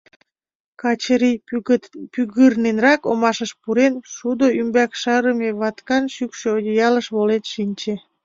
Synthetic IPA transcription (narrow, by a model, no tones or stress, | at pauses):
kɑt͡ɕəɾi | pyɣɨrnenrɑkomɑʃəʃpuɾenʃud̪oymbɑkʃɑɾəmeβɑt̪kɑnʃykʃeojʲojɑləʃβolenʃinʲt͡ɕe